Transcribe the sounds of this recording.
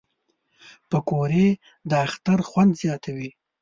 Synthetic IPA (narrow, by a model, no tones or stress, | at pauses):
pəkoɾe | d̪əaxt̪aɾxwand̪zjɑt̪ʰawi